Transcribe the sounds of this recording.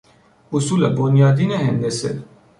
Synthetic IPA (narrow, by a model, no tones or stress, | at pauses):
usulɐbonijaːd̪ineɦend̪esḛ